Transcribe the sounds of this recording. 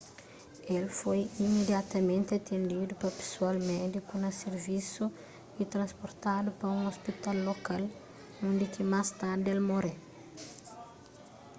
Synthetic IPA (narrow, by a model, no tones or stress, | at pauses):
elfojimed̪jat̪ɐmẽnt̪ɪɐt̪ʰẽnd̪id̪upɐpe̥sualmɛd̪ikunɐseɾvisu | it̪ɾɐ̃spoɾt̪ad̪upɐũŋospit̪alːokal | õnd̪ɪkɪmast̪aɾd̪elmoɾe